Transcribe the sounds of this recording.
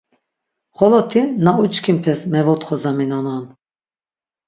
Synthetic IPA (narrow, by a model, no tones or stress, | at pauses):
χɔlɔt̪ʰinaut͡ʃkʰimpʰɛsmɛvɔt̪χɔzaminɔnan